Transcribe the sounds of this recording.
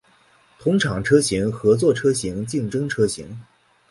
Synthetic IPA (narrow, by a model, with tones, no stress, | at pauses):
t̪ʰʊ˧˥ŋʈ͡ʂʰɑ˨˩ŋʈ͡ʂʰɤ˥ɕi˧˥ŋxɤ˧˥t͡swɔ˥˩ʈ͡ʂʰɤ˥ɕi˧˥ŋt͡ɕi˥˩ŋʈ͡ʂɤ˥ŋʈ͡ʂʰɤ˥ɕḭ˧˥ŋ